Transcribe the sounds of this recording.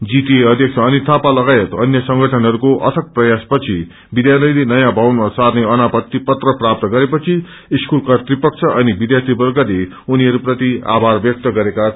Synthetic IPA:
d͡zitieʌd̪ʱjʌk̚t͡sʰʌːnit̪ʰãpalʌɡajet̪ʌnjʌsʌŋɡʱʌʈʰʌnɦʌɾukoʔʌ̰t̪ʰʌk̚prʌjaspʌt͡sʰi | bid̪janʌlenʌjãbʱawnmasarneʌnapʌt̪ːipʌt̪rʌprap̚t̪ʌɡʌɾepʌt͡sʰiː | skulkat̪ripʌk̚t͡sʰʌʔʌnibid̪jart̪ʰibʌrɡale | uniɦʌɾuprʌt̪ia̰bʱarbjʌk̚t̪ʌɡʌɾeka

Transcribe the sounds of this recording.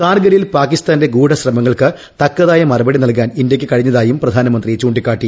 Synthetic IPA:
kaːrɡɐɾijilpaːkist̪aːnde̞ɡuːɽɐɕrɐmɐŋːɐɭkɨ | t̪ɐkːɐðaːjɐmɐrɐbɐɽinɐlk̬aːnindjɐkʲːɨkɐɻiɲːɐðaːjumprɐd̪ʱaːnɐmɐnd̪rit͡ɕuːɳɖikːaːʈːi

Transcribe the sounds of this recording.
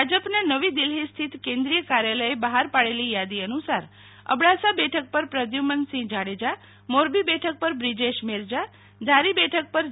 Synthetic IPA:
ad͡ʒəpnanəʋid̪ilɦist̪ʰit̪kẽnd̪ɾijəkaɾjaləebəɦaɾpaɽelijad̪iənusaɾ | ə̰bɽasabɛʈʰək̚pəɾpɾəd̪jumənsĩd͡ʒaɽed͡ʒa | moɾbibɛʈʰək̚pəɾbɾid͡ʒeʃmeɾd͡ʒa | d̪ʱaɾibɛʈʰək̚pəɾ

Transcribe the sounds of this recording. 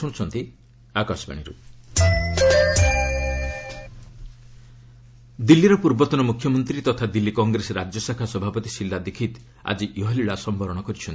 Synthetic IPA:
ɔɽ̃ut͡ʃʰɔnt̪i | akasba̰ɽ̃iɾṵ | d̪ilːiɾɔpuɾbɔt̪ɔnɔmukʰːjɔmɔnt̪ɾit̪ɔt̪ʰad̪ilːikɔŋɡɾeseɾad͡ʒjɔsakʰasɔbʱapɔt̪isilːad̪ekʰit̪ | a̰d͡ʒiʔjɔɦɔliɭasɔmbʱɔɾɔɽ̃ɔkɔɾit͡ʃʰɔnt̪

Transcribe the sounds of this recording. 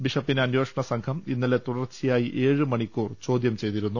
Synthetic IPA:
biʂɐpːinɐnjo̞ːʂɐɳɐsɐŋkʰɐminːɐlet̪uɽɐrt͡ɕijaːjiʔe̞ːɻɨmɐɳikʲːuːrt͡ɕo̞ːd̪jɐmt͡ɕe̞jt̪iɾunːu

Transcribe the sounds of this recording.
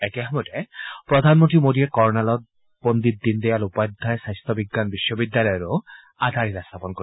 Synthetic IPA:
ɛkɛɦɔmɔtɛpɹɔd̪ʱanmontimodiɛkɔɹnalɔt̚ | bond̪it̪̚ːind̪ɛjalupajd̪ʱːajsajst̪ʰɔbiɡːanbiʃːɔbid̪ːalɔjɔɾo | ad̪ʱaɾitast̪ʰapɔnko

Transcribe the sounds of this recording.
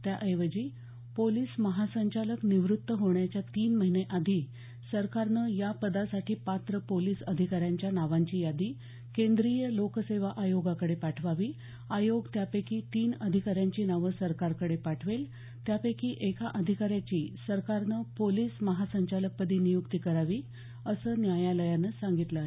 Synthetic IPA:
t̪jaʔəjʋəd͡ʑiː | poliːsməɦasəɲt͡ɕaləkniʋɾut̪ːəɦoɳjat͡ɕjat̪iːnməɦineʔad̪ʱiː | səɾkaɾnəjapəd̪asaʈʰiːpat̪ɾəpoliːsəd̪ʱikaɾjaɲt͡ɕjanaʋaɲt͡ɕiːjad̪iː | kẽnd̪ɾijəlokəseʋaʔajoɡakəɽepaʈʰʋaʋiː | ajoɡt̪japekʰiːt̪iːnəd̪ʱikaɾjaɲt͡ɕiːnaʋəsəɾkaɾkəɽepaʈʰʋel | t̪japekʰiːʔekaʔəd̪ʱikaɾjat͡ɕiːsəɾkaɾnəpoliːsməɦasəɲt͡ɕalək̚pəd̪ʱiːnijukt̪iːkəɾaʋiː | əsəːnjajaləjanəsaŋɡit̪lə

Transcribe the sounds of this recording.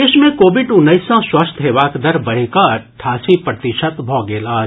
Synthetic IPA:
eːʃmẽkoːʋɪɖʊnːəɪsãswɐst̪ʰɦeːʋaːkd̪ɐɾbɐɽ̤ikaːɾʈʰaːsipɾət̪ɪʃət̪bʱɔːɡeːlaː

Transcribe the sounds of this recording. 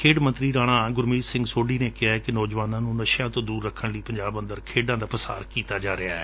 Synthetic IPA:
kʰeːɖmənt̪ɾiːɾaːɽ̃ãːɡʊɾmiːsɪ̃ŋɡsoːɖiːneːkɪaːɛkɪnɔːd͡ʒʋaːnãːnũːnəʃjãːt̪õːd̪uːɾːəkʰːəɳləiːpəɲd͡ʒaːbə̃nd̪əɾkʰeːɖãːd̪aːpəsa̰ːɾkiːt̪aːd͡ʒaːɾɪaːɛː

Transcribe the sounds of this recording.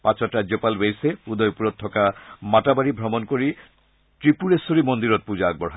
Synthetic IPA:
pat͡ɕɾatɾad͡ʑopalbejsepud̪ʱɔjpuɾɔt̪ʰːɔkamatabaɾibʱɔmonkoɹi | tɹipuɾesoɾimond̪iɾɔt̪̚pud͡ʑaːɡ̚bɔɾɦa

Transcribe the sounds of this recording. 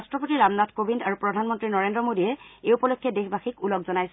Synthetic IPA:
stɹɔpotiɹamnatʰkobindaɹupɹɔdʱanmɔntɹinɔɹendɹɔmodijɛeupɔlɔjkʰːjɛdexʰbaxikulɔkzɔnajsɛ

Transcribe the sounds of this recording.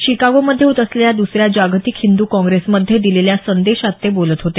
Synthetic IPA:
ɕikaɡoməd̪ʱːjeut̪əsleljad̪usɾjad͡ʑaɡt̪ikhind̪uːkɔ̃ŋɡɾesməd̪ʱːjed̪ileljasənd̪eɕat̪ːebolət̪ɦot̪e

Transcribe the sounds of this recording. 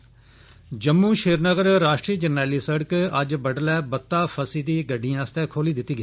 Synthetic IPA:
d͡ʒəmːũːʃeːɾnəɡəɾːaːʃʈɾiːd͡ʒənːɛːliːsəɽəkəd͡ʒbəɖlɛːbət̪ːaːpʰəsiːd̪iːɡəɖːijãːst̪ɛːkʰoːliːd̪ɪt̪ːiːɡi

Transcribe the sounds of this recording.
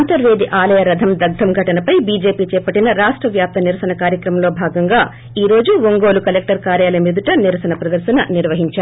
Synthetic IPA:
nt̪ɐɾʋe̞ːd̪iʔaːlɐjɐɾɐd̪ʱɐmd̪ɐɡ̚d̪ɐmɡʱɐʈɐnɐpɐjbiːd͡ʒe̞ːpiːt͡ʃɛːpɐʈːinɐɾaːʂʈɾɐʋjaːp̚t̪ʰɐniɾɐsɐnɐkaːɾjɐkɾɐmɐmlo̞ːbʱaːɡɐŋɡaː | iːɾo̞ːd͡ʒuʋoŋɡo̞ːlukɐlek̚ʈɐɾkaːɾjaːlɐmid̪uʈɐniɾɐsɐnɐpɾɐd̪ɐɾʃɐnɐniɾʋɐɦiɲt͡ʃaː

